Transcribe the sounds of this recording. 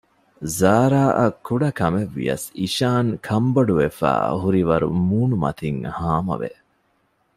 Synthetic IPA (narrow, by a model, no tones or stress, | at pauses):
zaːɾaːʔɐkːuɖɐkɐmeʋːḭjɐ̰siʃaːŋkʰɐmbɐɖuʋefæ̰ːɦuɾiʋɐɾṵmuːnumɐ̰t̪ʰiŋhaːmɐ̰ʋḛ